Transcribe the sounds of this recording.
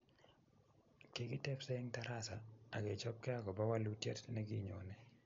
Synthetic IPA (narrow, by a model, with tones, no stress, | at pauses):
ke˨ɡɪ˦tɛ˦fsɛ˦ŋta˦ɾa˦sa˨a˨ɡe˨t͡ʃɔ˦p̚kɛ˦a˦ɡɔ˨ba˦wa˦lu˦tjɛ˦tnɛ˦ɡɪ˦ɲo˨nɛ˨